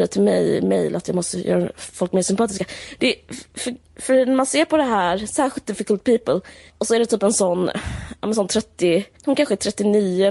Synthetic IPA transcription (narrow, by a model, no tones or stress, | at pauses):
ət̪ʰɪlmɛ̰jmɛ̰jlʔa̰t̪jɑ̰ːmɔst̪əjœ̰ːɾafɔlkmeːʂsʏmpɑːt̪ɪskad̪̥ɛfœ | fœnæɾmanseːɾpʰɔd̪ɛɦæːɾsæːɾɧɪlt̪d̪ɪfɪkəlt̪̚pʰiːpəl | ɔsɔæɖɛt̪ʰyːpɛnsɔnːɑ̰ːmɛnsɔnt̪ʰɾɛt̪ːɪhʊnkʰanɧəæt̪ʰɾɛt̪ːɪniːʊ